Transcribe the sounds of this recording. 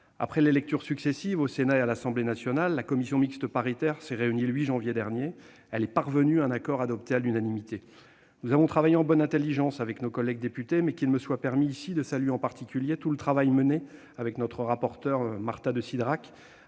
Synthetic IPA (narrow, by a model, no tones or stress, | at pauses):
a̰pχɛlelɛk̚t̪yʁsyksɛsivosenaealasɑ̃blenasjɔnalːakɔmisjɔ̃mikst̪əpaʁit̪ɛʁsɛʁeynilɥiʒɑ̃vjed̪ɛʁnje | ɛlɛpaʁvənyɛ̃nakɔʁad̪ɔp̚t̪ealynanimit̪e | nuzavɔ̃t̪χavajeɑ̃bɔnɛ̃t̪elːiʒɑ̃savɛknokɔlːɛɡ̚d̪epyt̪emɛkʲilməswapɛʁmiːsid̪əsalɥeɑ̃paʁt̪ʰikʲyljet̪ulət̪χavajməne | avɛknɔt̪χəʁapɔʁt̪œʁmaʁt̪ad̪əsid̪ʁak